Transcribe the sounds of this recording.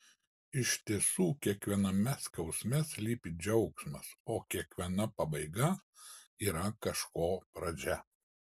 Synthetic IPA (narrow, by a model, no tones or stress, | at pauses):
ɪʃʲt̪ʲiɛsuːkʲiɛkʋʲiɛnɐmʲɛskɐʊsʲmʲɛslʲiːpʲid͡ʒʲɛʊksmɐsoːkʲiɛkʋʲiɛnɐpɐbɐɪɡɐ | iːɾɐkɐʃkoːpɾɐd͡ʒʲɛ